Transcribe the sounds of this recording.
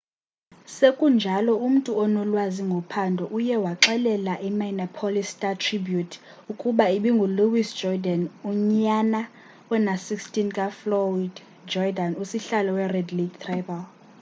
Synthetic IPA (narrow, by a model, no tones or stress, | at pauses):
sekʼund͡ʒʱalɔum̩tʼuɔnɔlwaziŋɡʱɔpʰandʱɔʔujɛwaǁɛlɛlaʔimainapʰolistʼatʰribjutʰ | ukʼuɓaiɓiŋɡʱuluwisd͡ʒɔdanuɲana | wɛnasikstʼinkʼaflɔid | d͡ʒɔdanusiɬalɔwɛrɛdliɡt̪ʰrabal